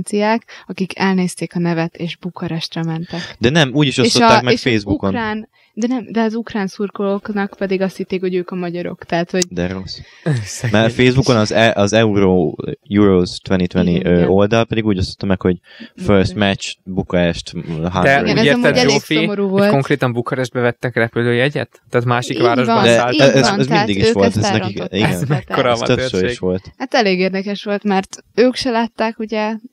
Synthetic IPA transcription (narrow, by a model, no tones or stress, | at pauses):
nt̪sijaːkɒkikʰɛlneːst̪eːkɒnɛvɛt̪eːʒbukʰɒɾɛʃt̪rɛmɛnt̪ɛkd̪ɛnɛmuːɟiʃoʃot̪ːakmɛfeːzbukonraːn | d̪ɛnɛmd̪ɛɒzukraːnsurkoloknɒkpɛd̪iɡɒst̪hit̪ːeːkho̞ɟøːkɒmɒɟɒɾo̞̰kt̪ɛɦːt̪ho̞̥d̪ɛros | mɛfeːzbukonɒzɛʔɒzɛuɾoːjuɾoːst̪ʋɛnit̪vɛniʔøːo̞ld̪ɒlpɛd̪iɡuːɟost̪ot̪ːɒmɛkho̞ɟføɾst̪mɛt͡ʃbukɒɾɛʃt̪ɦad̪ɛɡɛnɛemɛɛd͡ʒleːfiomoɾuːvoltkoŋkɾeːt̪ɒmbukɒɾɛʒd̪̚bɛvɛt̪ːɛkrɛpyløːjɛɟɛ̰t̪ːaːt̪maːʃikvaːɾoʒd̪ɛaɛznɛzmind̪iɡiʃʋolt̪ɛnɛikiɡɛnmɛk̪ːoɾ̰tøʃøiʃʋo̞lt̪hat̪ɛleːɡeːrd̪ɛkɛʃʋo̞lt̪mɛrt̪øːkʃɛlaːt̪ːaːkuɟɛ